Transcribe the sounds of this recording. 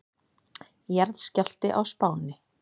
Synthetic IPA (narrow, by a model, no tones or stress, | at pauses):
jɛɾðscal̥t̪ɪʔawspaːwnɪ